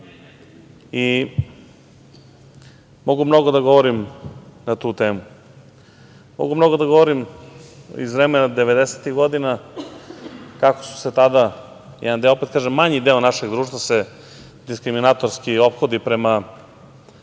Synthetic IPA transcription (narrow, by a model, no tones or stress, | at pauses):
i | mo̞ɡumno̞ɡod̪aɡo̞ʋoɾimnat̪uːt̪eːmu | mo̰ɡumno̞ɡod̪aɡoʋoɾim | ḭzvɾemenad̪eʋed̪eset̪iɣɡo̞d̪ina | kakosu̥set̪ad̪a | jɛ̰d̪and̪eoopet̪kaːʒemːaɲid̪eːonaʃeɡd̪ɾuːʃt̪vase | d̪iskɾiminat̪oɾskio̞pxo̞d̪ipɾema